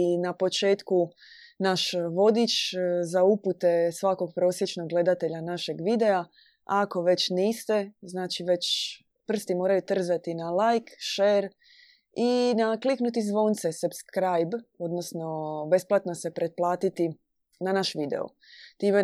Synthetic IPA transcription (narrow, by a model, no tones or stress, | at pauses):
napo̞t͡ʃe̞ːt̪ku | naʃʋo̞d̪it͡ʃzauput̪e̞sʋako̞ɡ̚pɾo̞ːsjet͡ʃno̞ɡɡle̞d̪at̪e̞ʎanaʃe̞ɡʋid̪e̞a | ako̞ʋe̞t͡ɕniːst̪e̞znaːt͡ʃiʋe̞t͡ʃ | pr̩st̪imo̞ːɾajut̪r̩zat̪inalajkʃeːɾ | inakliknut̪izʋo̞nt̪se̞supskɾajbo̞d̪nosno̞be̞splˠat̪no̞se̞pɾet̪̚plˠaːt̪it̪i | nanaʃʋid̪ḛo̰ | t̪iːme